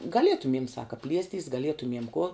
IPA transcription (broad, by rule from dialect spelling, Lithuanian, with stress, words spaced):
ɡɐˈlʲiɛtʊmʲiɛm ˈsɑːkɐ ˈpʲlʲiɛsʲtʲiːs ɡɐˈlʲiɛtʊmʲiɛm kuɔ